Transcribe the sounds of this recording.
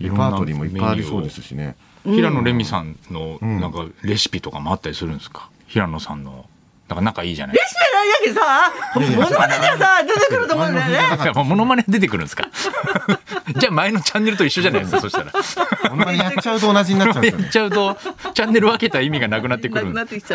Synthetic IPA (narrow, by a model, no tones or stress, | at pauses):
iɾõaːt̪oɾʲiːmoimeːaiɾisoːd̪e̞sɨ̥ɕḭnḛ | çiɾano̞ɾe̞mʲisã̰nnːo̞nãŋkaɾe̞ɕɨ̥pʲit̪o̞kamoat̪ːaɾisɨɾɯ̟̃nsɨ̥kḁ | çiɾano̞sã̰nːo̞̰ | nãŋkanakaiːʑa̰naɾespianaiakesamonoaned̪easad̪et̪ekɯɾɯt̪omõeamomo̞no̞maned̪e̞t̪e̞kɯ̟ɾɯ̟̃nsɨ̥ka̰ | d͡ʑaːmaeno̞t͡ɕãnːe̞ɾɯt̪o̞iɕːo̞ʑanajeskaso̞ɕiktaɾa | jat͡ɕaɯt̪oːnaʑiɲinamːnejat͡ɕaɯ̟t̪o̞t͡ɕãnːe̞ɾɯ̟βake̞t̪aimʲiɡanakɯ̟nat̪ːekɯɾɯ̃